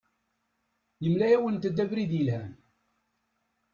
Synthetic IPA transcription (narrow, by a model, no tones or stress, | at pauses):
jəmlæjæwənt̪əd̪ːævɾiðjəlhæn